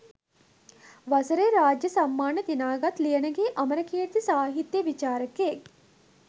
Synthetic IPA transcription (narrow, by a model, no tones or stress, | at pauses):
ʋɐsɐɾeɾaːd͡ʒjɐsɐmːaːnɐd̪inaːɡɐt̪lijɐnɐɡeːʔɐmɐɾɐkʰeːɾt̪isaːɦit̪jəʋit͡ʃaːɾɐke